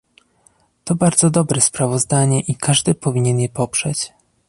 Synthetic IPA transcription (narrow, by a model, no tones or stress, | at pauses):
t̪ɔbaɾd̪zɔd̪ɔbɾɛspɾavɔzd̪aɲɛʔikʰaʐd̪ɘpɔvʲiɲɛnjɛpɔpʂɛt͡ɕ